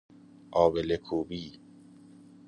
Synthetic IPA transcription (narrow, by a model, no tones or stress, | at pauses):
ʔɒːbelekʰuːbiː